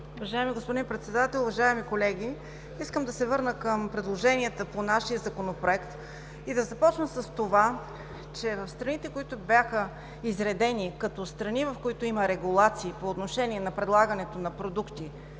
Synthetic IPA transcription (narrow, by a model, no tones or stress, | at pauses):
ʊvɐʒaɛmiɡospod̪inpɾɛt̪sɛd̪at̪ɛlˠʊvɐʒaɛmikolɛɡʲi | iskəmd̪ɐsɛvɤɾnəkəmpɾɛd̪lˠoʒɛniət̪əponaʃiəzɐkonopɾoɛkt̪ | id̪ɐzɐpɔt͡ʃnəsəst̪ova | t͡ʃɛvɐfst̪ɾɐnit̪ɛkoit̪ʊbʲjaxə | izɾɛd̪ɛnikɐt̪ɔst̪ɾɐnivɐfkoit̪ʊiməɾɛɡulˠat̪siːpoːt̪noʃɛniɛnɐpɾɛd̪lˠaɡənɛt̪onɐpɾod̪ukt̪i